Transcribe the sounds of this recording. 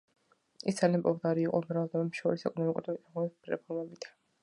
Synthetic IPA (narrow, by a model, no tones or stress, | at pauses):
ḭsd̪zalianpʼɔvd̪aɾiːqʼɔ̰mɾavd̪ɛbɛpʃɔɾisɛkʼɔnɔmikʼuɾmit̪ʰʼaʁɔiɾɛ̰pʰɔɾmɛbit̪ʰḁ